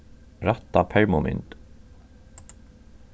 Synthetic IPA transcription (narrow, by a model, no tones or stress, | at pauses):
ɾat̪ːapʰɛɹmʊmʔɪ̰nd̪